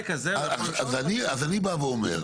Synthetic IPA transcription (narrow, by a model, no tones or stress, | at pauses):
kazeaazaniazanibaveomḛʁ